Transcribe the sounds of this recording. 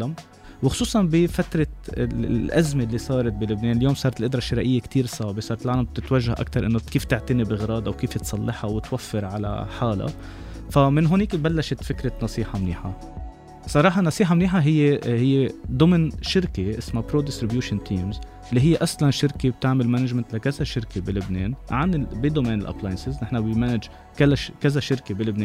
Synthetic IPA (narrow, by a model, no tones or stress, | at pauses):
alam | wɪxʊ̥suːsˤɑnbifat̪ɾˤɑ | ʔazmelːisˤɑːɾˤɑt̪̚bilɪbneːnɪljoːmsˤɑːɾɑt̪ɪlʔɪd̪ɾˤɑʃɪɾˤaʔɪjːekt̪iːɾsˤɑːʕbesˤɑːɾˤt̪lʕaːlamb̚t̪ɪt̪waʒːahʔa̰k̚t̪ɑɾˤʔɪnːokiːft̪ɪʕt̪ɪnibʔɪɣɾˤɑːd̪awkiːft̪sˤɑlːɪħɑwɪt̪wafːɪɾʕala̰ħaːla̰ | famɪnɦʊniːkbalːaʃɪt̪fɪkɾɑnɑsˤiːħɑmnḭːħa | sˤɑɾˤɑːħɑnɑsˤiːħɑmniːħaɦɪjːehɪjːed̪ˤʊmnʃɪɾkeʔɪsmapɾoːd̪ɪst̪ɾɪbjuːʃɪnt̪ʰiːmz | lːiɦɪjːeʔaslanʃɪɾkeb̚t̪aʕmɪlmanad͡ʒmɪnt̪lakazaʃɪɾkebɪlɪbnḛːnʕanɪbid̪omeːnɪlʔa̰plaːjɪnsɪznɪħnabɪmanɪd͡ʒ | kalaʃkazaʃɪɾkebɪlɪbneː